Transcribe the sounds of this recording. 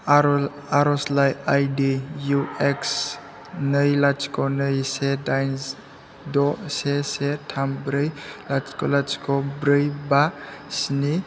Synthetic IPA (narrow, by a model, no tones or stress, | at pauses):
aɾɔslajajdijueks | nəjlat͡ʃkɔnəjsedajns | dɔsesetʰambɾɯjlat͡ʃkɔlat͡ʃkɔbɾɯjbasini